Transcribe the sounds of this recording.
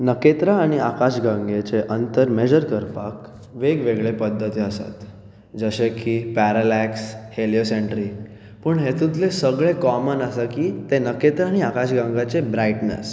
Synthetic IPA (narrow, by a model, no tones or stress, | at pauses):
nəket̪ɾaːɽ̃iakaɕɡãŋɡet͡seʔənt̪əɾmed͡ʑəɾkəɾpa̰k | ʋeɡʋeɡɭepəd̪ʱːət̪iːəsa̰t̪ | d͡zəɕekipæɾalæksheljoseɳʈɾi | pəɳɦet̪ũt̪lesəɡɭekɔmənəsakiːt̪enəket̪ɾaːɽ̃iakaɕɡãŋɡat͡sebɾaiʈnə̰s